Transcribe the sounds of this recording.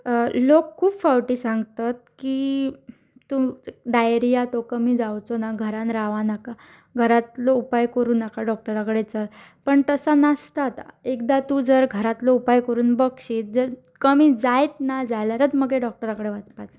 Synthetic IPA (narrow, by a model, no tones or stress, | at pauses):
lokʰːuːpfawʈiːsãŋɡt̪at̪̚ki | t̪uɖajɾijat̪okəmiːd͡zawt͡sonaɡʱəɾãnɾaʋanaka | ɡʱəɾat̪loupajkəɾuːnakaɖɔk̚ʈəɾakəɽet͡səl | pəɳt̪əsanəst̪at̪a̰ekd̪at̪uːd͡zəɾɡʱəɾat̪loupajkəɾuːnbəkɕit̪̚d͡zəɾ | kəmiːd͡zajt̪nad͡zajlaɾət̪məɡeɖɔk̚ʈəɾakəɽeʋat͡spat͡s